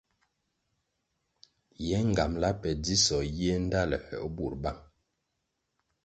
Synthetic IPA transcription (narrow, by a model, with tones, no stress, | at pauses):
jɛ˨˦ŋ˨ɡa˨mla˦pɛ˨di˦sɔ˨je˦n̩˦da˦lɛ˨hɛ̰˨ʔbu˨ɾba˦ŋ